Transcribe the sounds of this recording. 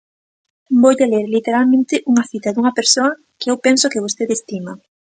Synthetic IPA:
boʎaleɾlit̪eɾalmẽnt̪ɪʔuŋɐθit̪ɐðuŋɐpeɾsoɐ | kɪewpɛnsʊkɪβ̞ost̪eðest̪imɐ

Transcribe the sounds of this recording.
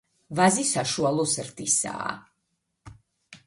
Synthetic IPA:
vazisaʃualˠɔsɾd̪isa̰ː

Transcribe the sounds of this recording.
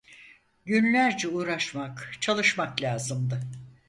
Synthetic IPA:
ɟynlʲæɾd͡ʒɛuːɾaʃmakt͡ʃʰalˠɯʃmaklʲaːzɯmd̪ɯ

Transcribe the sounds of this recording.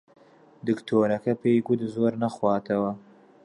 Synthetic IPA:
d̪ɨkt̪ʰoːɾɐkɐpeːjɡud̪zoːɾnɐxwɑːt̪ʰɐwɐ

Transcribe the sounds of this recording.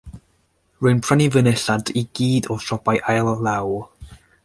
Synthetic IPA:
rʊɨnpʰr̥anivənɛɬadiɡ̥iːdɔʃɔbajʔajlˠːaw

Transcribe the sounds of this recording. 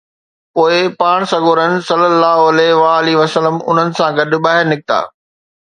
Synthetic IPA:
poːɪpaːɽ̃sɐɡʱoːɾənɪ̆sɐlːəlːaːɦoɐlɛɦʋaːɐliʋɐsələmʊ̰n̤ənɪ̆sãɡɐɗʊ̆ɓaːɦɪɾnɪk̚ɪt̪a̰ː

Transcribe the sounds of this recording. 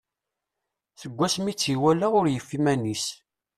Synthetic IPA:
θəɡʷːæsmit͡sːiwælaʊɾjəfːimænis

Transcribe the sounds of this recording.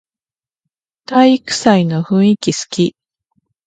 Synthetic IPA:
t̪aikɯ̟̥saino̞ɸɯ̟̃ɰ̃ikʲisɨ̥kʲi

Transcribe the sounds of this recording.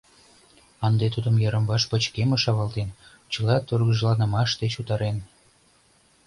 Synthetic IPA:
ɑnd̪et̪ud̪əmjəɾə̆mbɑʃpət͡ɕkeməʃɑβɑlt̪en | t͡ɕəlɑt̪orɣə̆ʒlɑnə̆mɑʃd̪et͡ɕut̪ɑɾen

